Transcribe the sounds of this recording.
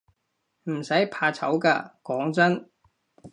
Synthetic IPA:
m̩˨˩sɐ˨˥jpʰaː˧t͡sʰɐ˨˥wkaː˧kɔː˨˥ŋt͡sɐ˥n

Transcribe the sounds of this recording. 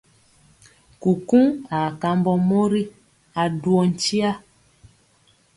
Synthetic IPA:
ku˨kũ˦a˨ka˨mbɔ˦mo˦ɾi˦ | a˨du˦ɔ˨n̩˨t͡ʃi˦a˦

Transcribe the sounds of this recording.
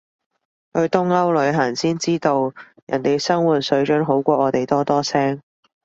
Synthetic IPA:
h̪ɵ˧t̪ʊ˥ŋɐ˥wlɵ˨˧ɥɦɐː˨˩nsiː˥nt͡siː˥t̪o˨˧w | jɐ˨˩nt̪e˨jsɐ˥ŋwuː˨˩t̚sɵ˨˧ɥt͡ʃœː˨˥ŋɦo˨˥wkʷɔː˧ʔɔː˨˧t̪e˨jt̪ɔː˥t̪ɔː˥sɛː˥ŋ

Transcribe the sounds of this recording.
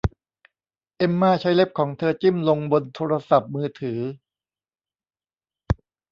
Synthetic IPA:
ʔe˧mːaː˥˩t͡ɕʰa˦˥jle˦˥p̚kʰɔː˩˦ŋt̪ʰɤː˧t͡ɕi˥˩mlo˧ŋbo˧nt̪ʰoː˧ɾa˧sa˨˩p̚mɯː˧t̪ʰɯː˩˦

